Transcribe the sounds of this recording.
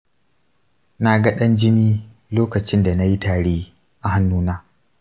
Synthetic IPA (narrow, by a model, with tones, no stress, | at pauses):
na˨ɡɐ˦ɗɐ˦nd͡ʒɪ˦niː˦ | loː˦kɐ˨t͡ʃɪ˦nda˨na˦ji˦taː˨ɽeː˦ | ʔa˨ha˦nːuː˦naː˦